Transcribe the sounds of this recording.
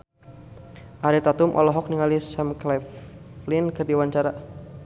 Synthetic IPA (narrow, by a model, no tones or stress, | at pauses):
ʔaɾit̪at̪umʔɔ̰lɔɦɔk̚niŋalisɛmklaflinkɨrdiwaɲt͡ʃaɾa